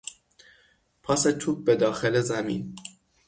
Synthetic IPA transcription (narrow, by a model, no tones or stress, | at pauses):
pʰɒset̪ʰub̚bed̪ɒːxelezæmḭn